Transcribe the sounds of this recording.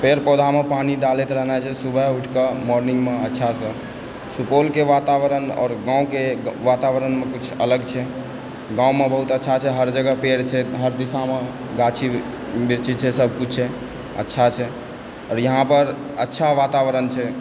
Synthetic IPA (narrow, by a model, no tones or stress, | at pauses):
peɾpɔd̪ʱamepaniɖalet̪ɾəɦnat͡ʃʰɛsubʱəuʈʰkəmɔɾniŋɡmeətːʃʰasə̃ | supolkeʋat̪aʋəɾənɔ̰ːɾɡãũkeʋat̪aʋəɾənmekut͡ʃʰələɡt͡ʃʰɛ | ɡãũmebəɦut̪ətːʃʰat͡ʃʰɛɦəɾd͡ʒəɡəpeɽt͡ʃʰɛɦəɾd̪isame | ɡat͡ʃʰi | biɾt͡ʃit͡ʃʰɛsəbʱkut͡ʃʰɛ | ə̰tːʃʰat͡ʃʰɛ | ɔːɾjəɦãpəɾ | ətːʃʰaʋat̪aʋəɾənt͡ʃʰɛ